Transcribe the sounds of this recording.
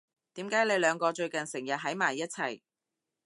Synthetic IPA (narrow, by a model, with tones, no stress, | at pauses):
t̪iː˨˥mkaː˨˥jle˨˧jlœː˨˧ŋkɔː˧t͡ʃɵ˧ɥkɐ˨nsɪ˨˩ŋjɐ˨t̚ɦɐ˨˥jmaː˨˩jːɐ˥t̚t͡sʰɐ˨˩j